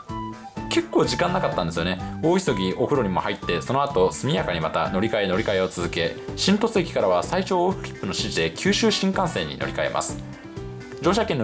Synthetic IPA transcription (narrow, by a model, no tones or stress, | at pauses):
ke̞kːo̞ːʑikãnːakat̪ːãnd̪e̞sɨjo̞ne̞o̞ːiso̞ɡʲiʔo̞ɸɯ̟ɾo̞ɲ̟imo̞hait̪ːe̞so̞no̞at̪o̞sɨmʲijakaɲ̟imat̪a̰no̞ɾʲikae̞no̞ɾʲikae̞o̞t͡sɨzɨke̞ɕĩnt̪o̞sɨekʲi̥kaɾaβasaiɕo̞ːɸɯ̟̥kʲi̥pːɯ̟no̞ɕiʑid̪e̞kʲʰɨːɕɨːɕĩŋkãɰ̃sẽ̞ɲ̟ːḭno̞̰ɾʲikae̞̰mʔa̰sɨ̥ | d͡ʑo̞ːɕakẽ̞nː